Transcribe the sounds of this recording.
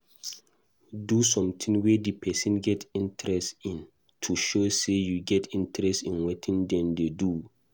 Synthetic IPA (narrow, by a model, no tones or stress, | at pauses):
dusɔ̃mtʰĩŋwedipʰɛsĩnɡɛtʰĩntʰɾɛstĩn | tʰuʃosejuɡɛtʰĩntɹɛstĩnwetʰĩndɛ̃ndedu